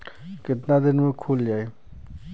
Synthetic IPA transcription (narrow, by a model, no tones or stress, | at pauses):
kɪt̪nad̪ɪnmẽkʰuːld͡ʒaːeː